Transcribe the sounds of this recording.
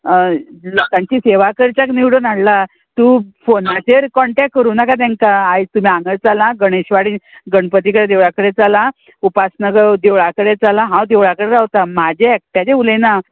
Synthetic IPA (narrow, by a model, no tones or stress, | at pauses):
lɔkãɲt͡ɕiːseʋakəɾt͡ɕakniwɽonaɽla | t̪uːfonat͡ɕeɾkɔɳʈek̚kːəɾuːnakat̪̬ãŋkaːet̪um̤iãŋɡəɾt͡salãɡəɽ̃eɕʋaɽiːnɡəɳpət̪̬ikəɽed̪eʋɭakəɽet͡salã | upasnəɡəɭd̪eʋɭakəɽet͡salãɦãwd̪eʋɭakəɽeɾaɦt̪amad͡ʑʱeːk̚ʈjad͡ʑeulena